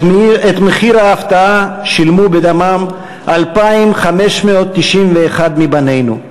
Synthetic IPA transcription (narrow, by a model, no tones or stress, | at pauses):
et̪meχiɾaːft̪aaʃilmubed̪amam | ʔalpaimχameʃmeot̪ːiʃimveːχad̪mibane̞jnṵ